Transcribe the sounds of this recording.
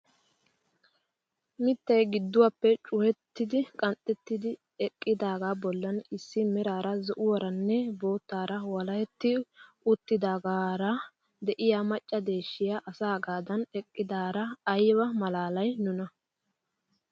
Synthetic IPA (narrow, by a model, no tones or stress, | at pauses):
mɪt̪ːɐjɡɪd̪ːʊwapːɛt͡ʃʼʊhɛt̪ːɪd̪ɪkʼɐnt̪ʼːɛt̪ːɪd̪ɪ | ɛkʼːɪd̪aːɡaːbɔlːɐnɪsːɪmɛɾaːɾɐzɔʔʊwɐɾɐnːɛbo̞ːt̪ːaːɾɐwɐlɐjɛt̪ːɪ | ʊt̪ːɪd̪aːɡaːɾɐ | d̪ɛʔɪjaːmɐt͡ʃʼːɐd̪e̞ːʃːɪjaʔɐsaːɡaːd̪ɐnɛkʼːɪd̪aːɾɐːjbɐmɐlaːlɐjnʊnɐ